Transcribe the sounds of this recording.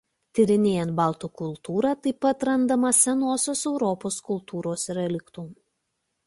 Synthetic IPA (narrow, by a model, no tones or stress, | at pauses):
t̪ʲɪɾʲɪnʲeːjɛnt̪bɑːˑlˠt̪uːkʊlˠt̪uːɾɑːt̪ɐɪpɐt̪ɾɐnd̪ɐmɐsʲɛnoːsʲoːsɛʊɾɔpoːskʊlˠˑt̪uːɾoːsɪɾɐlʲɪkt̪um